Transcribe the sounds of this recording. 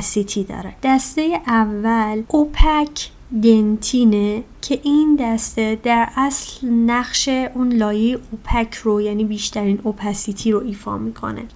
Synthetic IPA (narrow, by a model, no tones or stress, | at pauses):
sit̪ʰid̪ɒ̰ːɾed̪̥æst̪e̞jeʔævːælʔopʰæcʰ | d̪e̞nt̪ʰiːnecʰe̞ʔind̪æst̪e̞d̪æɾʔæslnæχʃe̞ʔuːnlɒːjejeʔopʰæcʰrojæniːbiːʃt̪ʰæɾiːnʔopʰæsit̪ʰiːɾo̞ʔiːfɒ̰ːmiːkʰo̞̰nḛ